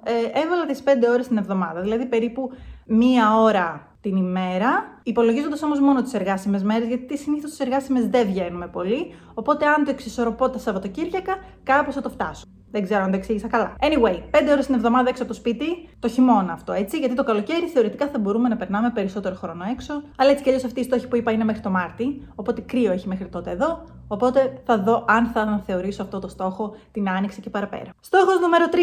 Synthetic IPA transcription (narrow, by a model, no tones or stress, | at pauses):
eʔe̞vɐlɐt̪ispe̞nd̪eo̞ɾe̞st̪inevðo̞mɐðɐðilɐðipe̞ɾipumiɐo̞ɾɐ | t̪inime̞ɾɐipo̞lo̞ʝizo̞nd̪ɐso̞mo̞zmo̞not̪ise̞ɾɣɐsime̞zme̞ɾe̞zʝɐt̪it̪isiniθost̪iseɾɣɐsime̞zðevʝe̞nume̞po̞li | o̞po̞t̪eɐnt̪o̞eksiso̞ɾo̞pot̪ɐsɐvot̪ociɾʝɐkɐkɐposθɐt̪oft̪ɐsu̥ | ðeɡze̞ɾoɐnt̪oeksiʝisɐkɐlɐe̞niwe̞jpe̞nd̪eo̞ɾest̪inevðo̞mɐðɐeksopot̪ospit̪it̪oçimo̞nɐːft̪o̞e̞t͡siʝɐt̪it̪okɐlo̞ce̞ɾiθe̞o̞ɾit̪ikɐθɐbo̞ɾumenɐpe̞ɾnɐme̞pe̞ɾiso̞t̪e̞ɾo̞xɾo̞no̞e̞kso̞ɐlɐet͡si̥cɐʎosɐft̪iːst̪o̞çi̥puipɐine̞me̞xɾit̪o̞mɐɾt̪io̞po̞t̪e̞kɾio̞eçimexɾit̪o̞t̪eeðo̞ː | po̞t̪e̞θɐðo̞ʔɐnθɐnɐθe̞o̞ɾisoɐft̪o̞t̪ost̪o̞xo̞t̪inɐniksece̞pɐɾɐpe̞̰ɾɐst̪o̞xo̞znume̞ɾot̪ɾi